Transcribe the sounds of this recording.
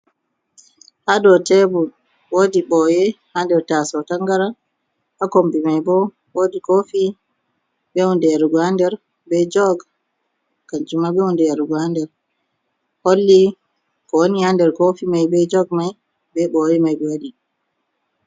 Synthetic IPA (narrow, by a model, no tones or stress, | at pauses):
hadɔtɛbu | wodiɓɔjɛhandɛɾtasɔtaŋɡaɾa | hakombimajbɔ | wodikofi | ɓɛundɛɾɡwandɛɾ | bɛd͡ʒɔɡ | kand͡ʒumaɓɛundɛaɾɡandɛɾ | holːi | kɔwonihandɛɾkofimajbɛd͡ʒɔɡmaj | bɛɓɔjɛmajbɛwodi